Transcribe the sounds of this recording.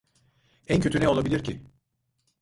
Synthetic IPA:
æncʰøt̪ynejo̞lˠabilʲiɾcʰɪ

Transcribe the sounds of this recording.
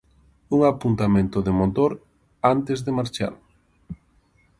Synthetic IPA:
uŋapunt̪amẽnt̪ʊðeɪmot̪oɾ | ant̪ɪzðɪmaɾt͡ʃa̰l

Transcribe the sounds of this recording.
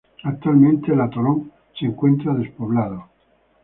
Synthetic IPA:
ak̚t̪ualmẽnt̪elat̪oloŋ | seŋkwe̞nt̪ɾaðe̞spoβlað̞o

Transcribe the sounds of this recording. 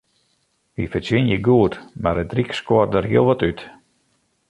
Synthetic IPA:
ʋifəsɪnjəɡuətmaɾədrikskɔərdərɦiəlˠʋɔtyt

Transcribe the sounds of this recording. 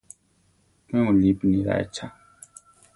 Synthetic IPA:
mɛ̃ũlipnĩɾa̰ɛ̰t͡ʃʰa

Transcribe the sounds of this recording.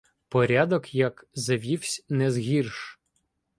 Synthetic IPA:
pɔɾʲad̪ɔkjɐkzɐʋʲiwsʲnɛzɦʲirʃ

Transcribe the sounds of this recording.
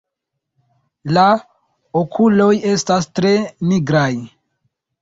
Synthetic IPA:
la | okʰulo̞je̞stastɾe̞niɡɾaj

